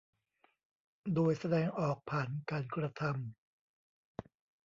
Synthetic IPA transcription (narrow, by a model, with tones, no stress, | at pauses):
doː˧jsa˧dɛː˧ŋʔɔː˨˩k̚pʰaː˨˩nkaː˧nkɾa˧t̪ʰa˧m